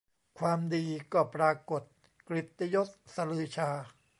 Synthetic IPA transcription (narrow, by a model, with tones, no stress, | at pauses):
kʰwaː˧mdiː˧kɔː˥˩pɾaː˧ko˨˩t̪̚ | kɾi˨˩t̪ːa˧jo˦˥t̪̚sa˧lɯː˧t͡ɕʰaː˧